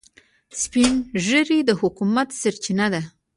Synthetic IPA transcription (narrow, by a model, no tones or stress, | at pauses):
spinʒəɾid̪əhʊkumat̪saɾt͡ʃinad̪a